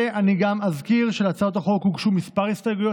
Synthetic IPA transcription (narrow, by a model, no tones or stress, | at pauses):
eʔaniɡamazkiʁʃelat͡saot̪aχo̞khuɡʃumispaʁist̪aɡujo